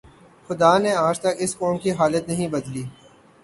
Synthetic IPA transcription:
xʊd̪aːneaːd͡ʒt̪ɐkɪskɔːmkiɦaːlət̪nɐɦĩbɐd̪liː

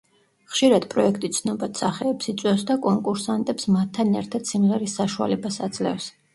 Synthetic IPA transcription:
χʃiɾad̪̥pʼɾɔɛkʰt̪ʼit̪sʰnɔbat̪saχɛːpsit̪sʼwɛfsd̪akʼɔŋkʼuɾsant̪ʼɛpsmat̪ʰːanɛɾt̪ʰad̪̥simʁɛɾisaʃua̰lɛbasad̪zʼlɛ̰fs

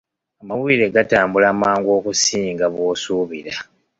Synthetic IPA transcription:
amawuiɾeɡataːmbulaːmaːŋɡo̞ːkusiːŋɡaβwoːsuːβiɾa

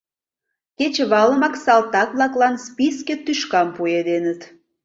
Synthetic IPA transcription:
ket͡ɕəβɑləmɑksɑlt̪ɑkβlɑklɑnspisket̪yʃkɑmpued̪enət̪

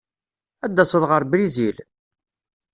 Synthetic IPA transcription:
æd̪ːæsˤəðʁəɾbɾizil

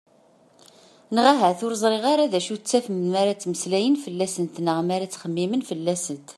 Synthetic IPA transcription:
nəʁaɦæθʊɾəzˤɾˤeʁaɾaðæʃut͡sːæfəmmaɾat͡sːməslæjənfəlːæsənt̪nəʁmaɾat͡sːχəmːimənfəlːæsənt̪

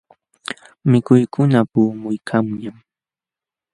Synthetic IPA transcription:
mɪkʊjkʊnapuːmʊjkʰamjam

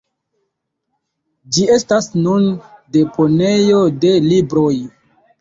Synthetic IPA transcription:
d͡ʒie̞stasnunde̞pʰo̞ne̞jo̞de̞libɾo̞j

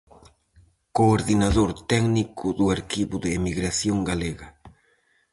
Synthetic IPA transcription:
koːɾðinaðoɾt̪ɛɡnikʰʊðuaɾkiβʊðɪːmiɣɾasjoŋɡaleɣɐ

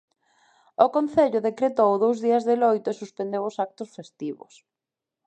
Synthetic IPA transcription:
ʊkon̟θeʎʊðekɾet̪owðowzðiɐzðelojt̪ʊesuspend̪ewʊsak̚t̪ʊsfest̪iβʊ̰s

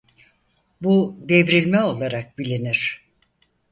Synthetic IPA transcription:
bud̪evɾilʲmɛo̞lˠaɾak̚bilʲiniɾ̥

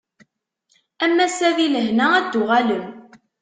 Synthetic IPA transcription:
æmːæsæðiləhnææd̪ːʊʁæləm

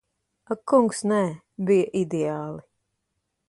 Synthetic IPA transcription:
akːuŋksnɛː | bijaʔid̪ɛaːlˠi

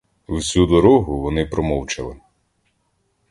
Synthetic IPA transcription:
wsʲud̪ɔɾɔɦʊʋɔnɪpɾɔmɔwt͡ʃɐlˠɪ

